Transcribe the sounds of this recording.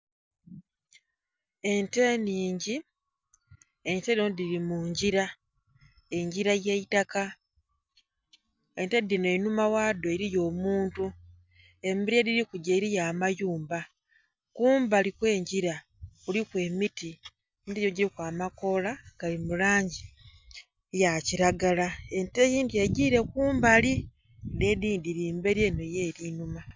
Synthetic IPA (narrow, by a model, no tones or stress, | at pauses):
e̞nteniːɲɟi | eɲtenodiɾimuːɲɟiɾa | e̞ɲɟiɾajeitaka | e̞ntedːineinumawaːdo̞eɾijo̞ːmuːntu | e̞miɾijadiɾikuɟaiɾijaːmajuːmba | kuːmbalikwe̞ːɲɟiɾa | kulikwe̞ːmiti | midijoɟiɾikwaːmako̞laɡ̥alimulaːɲɟi | jaciɾaɡalae̞ntejiːndieɟiɾe̞kuːmbali | dediːndiɾiːmbe̞ɾjenojeɾinuma